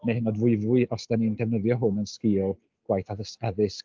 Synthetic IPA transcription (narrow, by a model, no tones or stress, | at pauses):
nehənɔdvʊɨvwɨʔɔsd̥anindɛvnəðjɔɦʊnənskiːlˠ | ɡ̥wajθaðəsɛðɪsk